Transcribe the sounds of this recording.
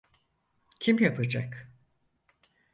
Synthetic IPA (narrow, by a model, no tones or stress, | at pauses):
cʰimjapʰɯd͡ʒak